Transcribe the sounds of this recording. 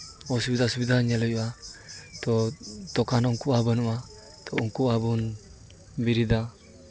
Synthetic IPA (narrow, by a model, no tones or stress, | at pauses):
ɔsubid̪asubid̪aɲalɔjuwat̪ɔt̪ɔkanɔŋkuabənua | t̪ɔuŋkuabun | biɾid̪a